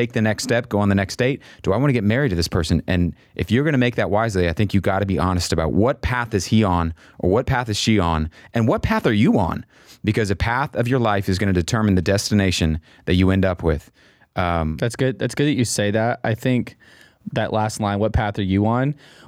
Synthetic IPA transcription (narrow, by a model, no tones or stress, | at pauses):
tʰeɪk̚ðɨnɛkstɛp̚ɡ̥oʊə̃nðɨnɛksd̥eɪt̚d̥ɨaɪwɑ̃nɨɡɛt̚mɛɹid̚tʰɨðɪspʰɜ˞sɨ̃nʔɨ̃n | ʔɨfjə˞ɡʌñɨmeɪk̚ðɨʔ̚waɪzliaɪθɪ̃ŋkjɨɡɑɾɨbiʔɑnɨstɨbaʊʔ̚wʌt̚pʰæθɨz̥hiə̃n | ʔə̰˞wʌt̚pʰæθɨz̥ʃiə̃nɨ̃nwʌt̚pʰæθə˞jɨə̰̃n | b̥ɨkʰʌzɨpʰæθʌvjə˞laɪfɨzɡʌnɨdɨtʰɜ̃˞mn̩ðɨdɛstɨneɪʃɨ̃n | ðɨt͡ʃɨɛ̃ndʌpʰwɪð̥ | ʔʌ̃mðætsɡ̥ʊd̪̚ðætsɡ̥ʊd̪̚ðɨt͡ʃɨseɪðæt̚a̰ɪθɪ̃ŋk | ðɨʔlæstˡlãɪ̃nwʌt̚pʰæθə˞jɨə̃n